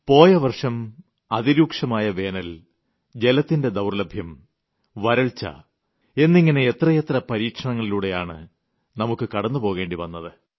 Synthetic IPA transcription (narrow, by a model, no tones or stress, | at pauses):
po̞ːjɐʋɐrʂɐm | ɐðiɾuːkʂɐmaːjɐʋe̞ːnɐl | d͡ʑe̞lɐt̪ːinde̞d̪ɐwrlɐbʱjɐm | ʋɐɾɐɭt͡ɕːɐ̰ | e̞nːiŋːɐne̞ːt̪rɐjet̪rɐpɐɾiːkʂɐɳɐŋːɐɭiluːɽe̞jaːɳɨ̰ | nɐmukːɨkɐɽɐnːupo̞ːɣe̞ːɳɖiʋɐnːɐðɨ